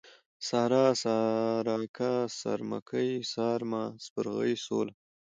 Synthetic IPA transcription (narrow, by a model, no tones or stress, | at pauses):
sɑhɾɑsaɾɑkʰasa̰ɾma̰kʰəjsɑːɾmaspəɾɣə̰jsol